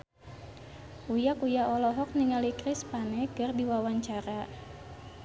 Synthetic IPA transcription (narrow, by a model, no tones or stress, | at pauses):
ʔujakujaʔɔlɔɦɔk̚niŋalikɾɪspanɛkɨrdiwawaɲt͡ʃaɾa